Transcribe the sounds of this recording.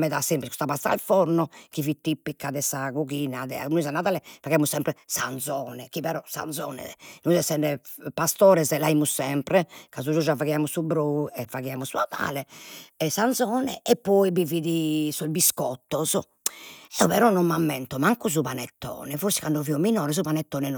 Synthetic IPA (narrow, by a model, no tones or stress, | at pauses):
mɛðasɛmpɾiku̥st̪apast̪a̰lfɔɾnɔkivit̪ːipːikːaðɛsaɣuɣiːnaðɛ̰a̰nuizanːaðaːlɛfaɣiamusɛmpɾɛsa̰nd̪zɔːnɛkiβɛɾɔsa̰nd̪zɔ̰ːnɛ̰nuizɛsɛnɖɛpast̪ɔːɾɛzɛlaimusːɛmpɾɛkazud͡ʒud͡ʒavaɣiamusubɾɔɛfaɣiamusunaða̰ːlɛɛsant̪zɔːnɛʔɛpːɔibiviðisɔzbiskɔt̪ːɔzɔ | ɛɔpɛɾɔnɔmːamːɛnt̪ɔmaŋkɔz̬uβanɛt̪ːɔ̰ːnɛfoɾsɛ̥kanɖɔviɔminɔːɾɛs̬zuβanɛt̪ːɔːnɛ